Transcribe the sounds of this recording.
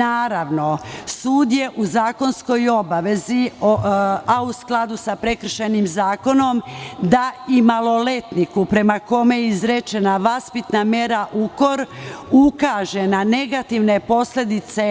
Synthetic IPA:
aːɾaʋno̞suːd̪je̞ʔuzaːko̞nsko̞jo̞baʋe̞zi | ausklˠad̪usapɾe̞kr̩ʃenimzaːko̞no̞md̪aimalˠo̞le̞t̪nikupɾe̞mako̞mejizɾet͡ʃe̞naʋaspit̪nameɾaʔuko̞ɾukaʒe̞nane̞ɡat̪iʋne̞po̞sle̞d̪it̪se̞

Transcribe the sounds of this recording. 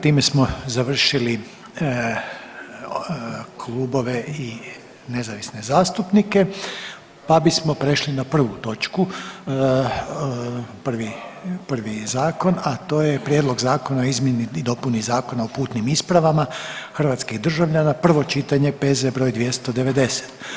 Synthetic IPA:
t̪iːme̞smo̞zaʋr̩ʃili | kʰlˠuːbo̞ʋe̞i | ne̞zaʋisne̞zaːst̪upnike̞ | pabismo̞pɾe̞ʃlinapr̩ʋut̪o̞t͡ʃku | pr̩ʋipr̩ʋizaːko̞nat̪o̞ːjepɾʲjed̪lˠo̞ɡzaːko̞naoizmjenid̪o̞punizaːko̞naopuːt̪nimispɾaʋamaxr̩ʋat̪skiɣd̪r̩ʒaʋʎanapr̩ʋo̞t͡ʃit̪aɲe̞pe̞zebɾo̞ːjd̪ʋje̞st̪o̞d̪e̞ʋe̞d̪e̞set̪

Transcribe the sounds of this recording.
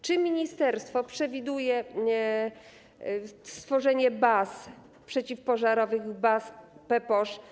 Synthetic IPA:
t͡ʂɘmʲiɲist̪ɛɾst̪fɔpʂɛvʲid̪ujɛ | st̪fɔʐɛɲɛbas | pʂɛt͡ɕifpɔʐaɾɔvɘɣbaspɛpɔʂ

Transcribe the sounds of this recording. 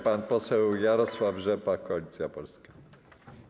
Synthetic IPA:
panpɔsɛwjaɾɔswavʐɛpakɔalʲit̪sʲjapɔlskḁ

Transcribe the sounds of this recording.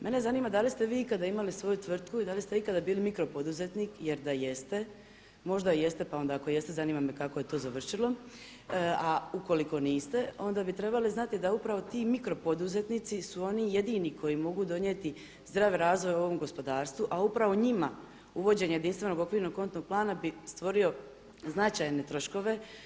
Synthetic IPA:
mʔe̞nezaniːmad̪alist̪e̞ʋiːikad̪aimalisʋo̞jut̪ʋr̩t̪kuid̪alist̪e̞ikad̪abiːlimikɾo̞pod̪uze̞t̪niːkje̞ɾd̪ajest̪e | mo̞ʒd̪aije̞st̪e̞pao̞nd̪aːko̞je̞st̪ezaniːmamekako̞je̞t̪o̞ːzaʋr̩ʃilo̞ | auko̞liko̞niːst̪e̞o̞nd̪abit̪ɾe̞baliznat̪id̪aupɾaʋo̞t̪iːmikɾo̞po̞d̪uze̞t̪nit̪sisuo̞nije̞d̪iːnikʰo̞jimo̞ɡud̪o̞njet̪i | zd̪ɾaːʋeɾaːzʋo̞jo̞ʋo̞mɡo̞spo̞d̪aːɾst̪ʋuʔaupɾaʋo̞ɲima | uʋo̞d͡ʑeɲajed̪inst̪ʋe̞no̞ɡo̞kʋiːɾno̞ɡ̚ko̞nt̪no̞ɡ̚plˠaːnabist̪ʋo̞ɾio̞ | znat͡ʃajne̞t̪ɾo̞ʃko̞ʋe̞

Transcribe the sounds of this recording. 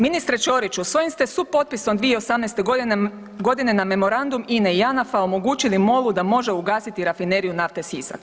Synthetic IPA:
minist̪ɾet͡ʃo̞ɾit͡ʃusʋo̞jimst̪e̞supo̞t̪̚piso̞md̪ʋieo̞samnɛst̪e | ɡo̞d̪ine̞name̞mo̞ɾand̪umineijanafao̞mo̞ɡuːt͡ʃilimo̞lˠud̪amo̞ʒe̞uɡaːsit̪iɾafineɾijunaft̪e̞sisa̰k

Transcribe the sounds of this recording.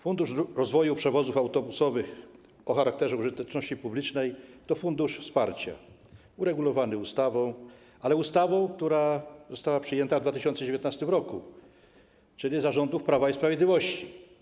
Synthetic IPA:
fund̪uʂɾɔzvɔjupʂɛvɔzufawt̪ɔbusɔvɘx | ɔxaɾak̚t̪ɛʐɛuʐɘt̪ɛt͡ʂnɔɕt͡ɕipublʲit͡ʂnɛjt̪ɔfund̪uʂfspaɾt͡ɕa̰ | uɾɛɡulɔvanɘust̪avɔ̃w̃ | alɛust̪avɔ̃w̃kt̪uɾazɔst̪awapʂɘjɛnt̪avd̪vat̪ɘɕɔ̃nsɛd͡ʑevʲjɔt̪nast̪ɘmɾɔku | t͡ʂɘlʲizaʐɔnd̪ufpɾavaispɾavjed̪lʲivɔɕt͡ɕi

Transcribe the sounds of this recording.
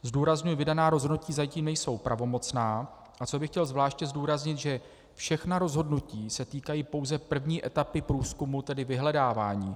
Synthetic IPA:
zduːɾazɲujɛvɪdanaːɾo̞zɦodnuciːzaciːmnɛjso̞wpɾʔavo̞mo̞t͡snaː | ʔat͡so̞bɪxcɛlzvlaːʃcɛzduːɾazɲɪt̪ʒɛ | fʃɛxnaɾo̞zɦo̞dnuciːsɛt̪iːkajiːpo̞wzɛpr̩vɲiːʔɛt̪apɪpɾuːskumut̪ɛdɪvɪɦlɛdaːvaːɲiː

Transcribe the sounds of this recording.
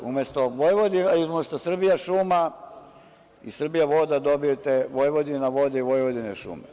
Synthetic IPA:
ṵmjest̪oʋojʋod̪inaizumʲest̪osr̩bijaʃuːma | isr̩bijaʋo̞d̪ad̪o̞bijot̪eʋojʋod̪inaʋod̪eiʋojʋod̪ineʃṵːmḛ

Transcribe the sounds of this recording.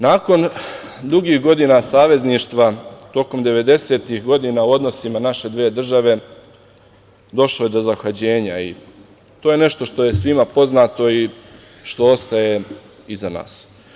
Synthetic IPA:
naːko̞n | d̪uɡiːxɡo̞d̪inasaːʋe̞zniːʃt̪ʋat̪o̞ko̞md̪e̞ʋe̞d̪e̞se̞t̪ixɡo̞d̪iːnauo̞d̪no̞simanaʃe̞d̪ʋeːd̪r̩ʒaʋe̞ | d̪o̞ʃloje̞d̪o̞zaxad͡ʑe̞ːɲaḭ | t̪oje̞ne̞ʃt̪o̞ʃt̪o̞je̞sʋimapo̞znaːt̪o̞i | ʃt̪o̞o̞st̪aje̞ | izana̰ːs

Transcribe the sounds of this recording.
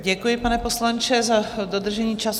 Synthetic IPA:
ɟɛkujɪpanɛpo̞slant͡ʃɛzadod̪r̩ʒɛɲiːt͡ʃas

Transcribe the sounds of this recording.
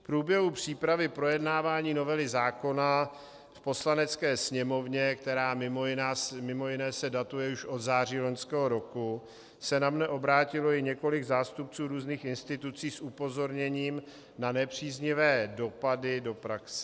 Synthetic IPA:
fpɾuːbjɛɦupr̝̥iːpɾavɪpɾo̞jɛdnaːvaːɲiːno̞vɛlɪzaːko̞na | fpo̞slanɛt͡skɛːsɲɛmo̞vɲɛkt̪ɛɾaːmɪmojɪnaːsmɪmo̞jɪnɛːsɛdat̪ujɛuʃʔo̞d̪zaːr̝iːlo̞ɲskɛːɦo̞ɾo̞ku | sɛnamnɛʔo̞bɾaːcɪlo̞jɪɲɛko̞lɪɡzaːst̪up̚t͡suːɾuːzniːxɪnst̪ɪt̪ut͡siːsʔupo̞zo̞ɾɲɛɲiːm | nanɛpr̝̥iːzɲɪvɛːdo̞padɪdo̞pɾaksɛ

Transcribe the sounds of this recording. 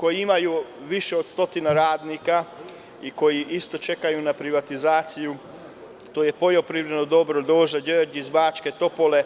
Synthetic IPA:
ko̞jiimajuʋiʃe̞o̞d̪st̪o̞t̪inaɾaːd̪nika | iko̞jiʔist̪o̞t͡ʃe̞kajunapɾiʋat̪izaːt̪siju | t̪oːje̞pojopɾiːʋɾed̪nod̪o̞bɾod̪o̞ːʒad͡ʑəɾd͡ʑizbaːt͡ʃke̞t̪o̞pole̞

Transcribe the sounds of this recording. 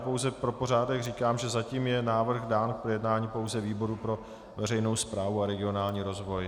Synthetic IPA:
powzɛpɾopo̞raːdɛɣriːkaːmʒɛzaciːmjɛnaːvr̩ɣdaːnkpɾojɛdnaːɲiːpo̞wzɛviːbo̞ɾupɾo̞ | vɛrɛjno̞wspɾaːvuaɾɛɡɪo̞naːlɲiːɾo̞zvo̞j

